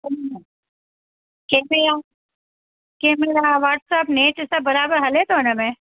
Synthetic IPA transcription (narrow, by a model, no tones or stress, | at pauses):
keːbeaː | keːmeɾaʋaːʈsapneːt͡ʃɪsɐbɐɾaːbəɾɦɐlet̪oːnamɛ̃ː